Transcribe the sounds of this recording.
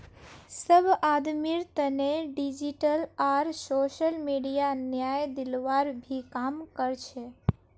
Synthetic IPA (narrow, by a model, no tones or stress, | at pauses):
səbʱad̪miɾt̪əneɖid͡ʒiʈəlaɾsoʃəlmiɖijanjajd̪ɪlʋaɾbʱikamkəɾt͡ʃʰe